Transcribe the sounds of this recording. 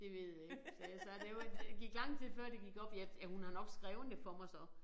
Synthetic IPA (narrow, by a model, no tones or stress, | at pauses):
d̥e̝ʋe̝ð̰ˠjeɡ̥sɛːjæsɑd̥ejo̥eɡ̥iɡ̥lɑ̈ŋ̰t͡sʰe̝lfɶɐ̰d̥e̝ɡ̥iɡ̥ɒ̽b̥jæjæhunɑ̈nɒ̽ɡ̥sɡ̥ʁɛːʊnd̥əfɒmɑ̈ɪsɒ̽